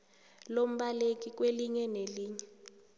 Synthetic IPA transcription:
lom̩ɓalek̬ʼik̬ʼweliɲɛneliːɲɛ

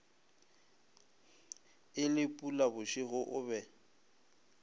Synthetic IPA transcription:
ɪlɪpʼulabʊʃɪɣʊʔʊbɛ

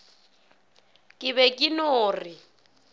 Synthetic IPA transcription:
kʼɪβɛkʼinoːri

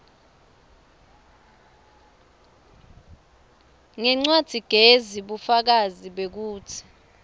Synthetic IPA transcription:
ŋɛŋ͡ǀwad̥ʱiɡ̥ʱeziɓufak̬aziɓek̬uːtʰi̥

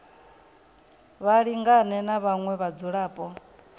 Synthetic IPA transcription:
βaɺiŋɡanɛnaβaŋwɛβad͡zuɺaːpʼɔ

